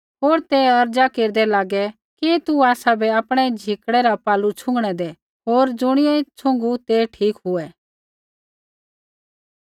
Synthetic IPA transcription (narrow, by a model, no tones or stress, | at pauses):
ɦoːɾt̪eɐɾd͡ʒakeːɾd̪ɛlaːɡɛ | kit̪uaːsabʱɛaːpɽ̃ɛd͡ʒʱɪkɽɛɾapaːlut͡ʃʰʊ̃ŋɡɽ̃ɛd̪e | ɦoːɾd͡zʊɽ̃ɪɛt͡ʃʰʊ̃ŋɡut̪eʈʰiːkɦʊɛ